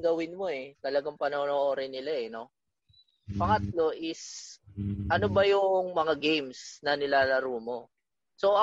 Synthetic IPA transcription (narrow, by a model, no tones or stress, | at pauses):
ɡɐwɪnmo̞ɛt̪ɐlɐɡaŋpɐnoːnoʔoɾɛnɪlaɛno̞ | pɐŋɐt̪̚lo̞ʔɪs | ʔɐnobɐjʊŋmɐŋaɡejmsnɐnɪlaːlɐɾuːmo̞ | so̞ʔɐ